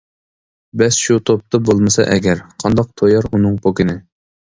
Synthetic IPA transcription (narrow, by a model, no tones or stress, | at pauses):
bɛsʃut̪ʰop̚t̪ʰɨbolˠmɨsɑ̰ʔɛɡʲɛɾqʰɑnd̪ɑq̚t̪ʰojɑɾunɨŋpʰokʲɪnɪ